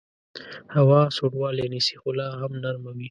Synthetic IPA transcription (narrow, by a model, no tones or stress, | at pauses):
hawɑsoʈwɑːlenisi̥xʊlɑɦamnaɾmawi